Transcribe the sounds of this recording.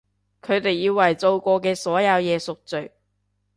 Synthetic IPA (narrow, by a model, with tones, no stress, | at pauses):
kʰɵ˨˧ɥt̪e˨jːiː˧wɐ˨˩jt͡so˧wkʷɔː˧k̬ɛː˧sɔː˨˥jɐ˨˧wjɛː˨˧sʊ˨k̚t͡sɵ˨˩